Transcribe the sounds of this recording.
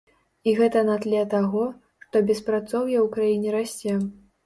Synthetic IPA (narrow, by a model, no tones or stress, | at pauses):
iɣɛt̪ɐnat̪lʲɛt̪aɣɔ | ʂt̪ɔbʲɛspɾat̪sɔwjɐwkɾajinʲɛɾasʲt͡sʲɛ